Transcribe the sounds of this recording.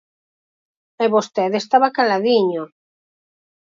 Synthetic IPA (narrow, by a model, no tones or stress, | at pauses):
eβost̪eðest̪aβakalaðiɲo